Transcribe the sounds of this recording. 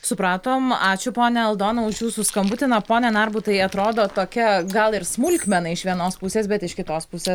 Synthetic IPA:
sʊpɾɑːt̪oːmɑːt͡ʃʲʊpoːnʲɛɐlˠd̪oːnɐʊʃjuːsuskɐmbʊt̪ʲɪnɐpoːnʲɛnɐɾbʊt̪ɐɪɐt̪ɾoːd̪oːt̪oːkʲɛɡɐlˠɪɾsmʊlʲkʲmʲɛnɐɪʃʋʲiɛnoːspʊsʲeːsbʲɛt̪ɪʃkʲɪt̪oːspʊsʲeːs

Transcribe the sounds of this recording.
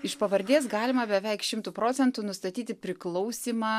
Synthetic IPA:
ɪʃpɐʋɐɾʲd̪ʲiːs̬ɡɑːlʲɪmɐbʲɛʋʲɛɪkʃʲɪmt̪uːpɾoːsʲɛnt̪uːnʊst̪ɐt̪ʲiːt̪ʲɪpʲɾʲɪklˠɔʊsʲiːmɑː

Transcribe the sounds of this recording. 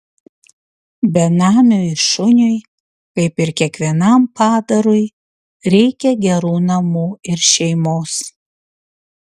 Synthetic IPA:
bʲɛnɑːmʲoːɪʃʊnʲʊj | kɐɪpɪɾkʲiɛkʋʲiɛnɐmpɑːd̪ɐɾʊj | ɾʲɛɪkʲɛɡʲɛɾuːnɐmuːɪɾʃʲɛɪmoːs

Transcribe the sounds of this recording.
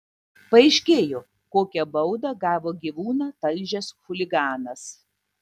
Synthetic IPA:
pɐɛɪʃʲkʲeːjoː | koːkʲɛbɐʊd̪ɐɡɑːʋoːɡʲiːʋuːnɑːt̪ɐlʲʒʲɛsxʊlʲɪɡɑːnɐs

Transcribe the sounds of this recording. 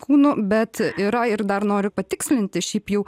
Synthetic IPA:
kuːnʊbʲɛt̪ɪɾɐɪɾd̪ɐrnoːɾʲʊpɐt̪ʲɪksʲlʲɪnʲt̪ʲɪʃʲɛɪpjɛʊ

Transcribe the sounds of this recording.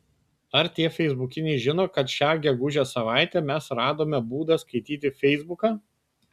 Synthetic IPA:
ɐɾt̪ʲiɛfʲɛɪzbʊkʲɪnʲɛɪʒʲɪnoːkɐt̪ʃʲæːɡʲɛɡʊʒʲosɐʋɑˑɪt̪ʲɛːmʲɛsɾɑːd̪oːmʲɛbuːd̪ɐskɐɪt̪ʲiːt̪ʲɪfʲɛɪzbʊkɑː

